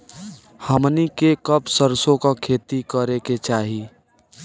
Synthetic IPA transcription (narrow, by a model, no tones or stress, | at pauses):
həmnikekəpsəɾsõkakʰeːt̪ikəɾeket͡ʃaːɦi